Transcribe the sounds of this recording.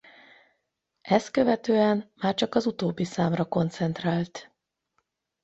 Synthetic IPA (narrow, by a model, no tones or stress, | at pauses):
ʔɛst̪køvɛt̪øːɛmmaːrt͡ʃɒkɒzut̪oːbːisaːmrɒko̞nt̪sɛnt̪raːlt̪